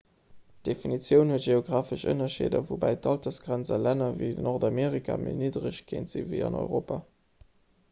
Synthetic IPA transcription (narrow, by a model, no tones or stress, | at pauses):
td̥efinit͡sjəʊnhuətʒ̥eoɡʁaːfəʃə̰nɐʃḛːdɐ̰vubæɪtɑltɐsɡ̥ʁænt͡sɐlænɐviɪdnɔʁdɑmeːʁikʰa̰mʔḛniːdʁəɕkʰḛːntz̥ḭvḭɑ̰nɔ̰ʏʁoːpa